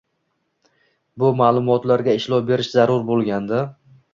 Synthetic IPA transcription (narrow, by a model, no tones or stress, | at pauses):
bʊmaːlˠʊmɒt̪laɾɡʲaɪʃlɒwbe̞ɾɪʃzaɾʊɾbolˠɡʲand̪a